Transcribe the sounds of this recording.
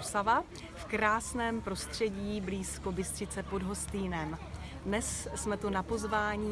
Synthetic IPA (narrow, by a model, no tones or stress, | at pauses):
sava | fkɾaːsnɛːmpɾo̞st̪r̝̥ɛɟiːbliːsko̞bɪst̪r̥ɪt͡sɛpo̞dɦo̞st̪iːnɛm | dnɛsːmɛt̪unapo̞zvaːɲiː